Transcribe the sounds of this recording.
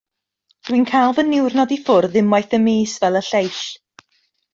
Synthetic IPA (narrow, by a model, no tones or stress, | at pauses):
d̥winkʰajlˠvənːɪwrnɔdifʊrðɪmajθəmeːsvɛlˠəɬejʃ